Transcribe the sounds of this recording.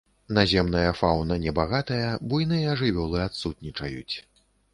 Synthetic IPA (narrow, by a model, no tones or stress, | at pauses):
nazʲɛmnɐjɐfawnɐnʲɛbaɣat̪ɐjɐbujn̪ɨjɐɐʐɨvʲɔlˠɨat̪sut̪̚nʲit͡ʂɐ̰jut͡sʲ